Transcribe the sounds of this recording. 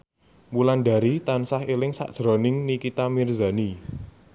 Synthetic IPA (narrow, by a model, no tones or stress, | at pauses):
mulanɖa̤ɾit̪ansahelɪŋsa̰ʔd̥ʒ̥ɾɔ̤nɪŋnikit̪amirza̤ni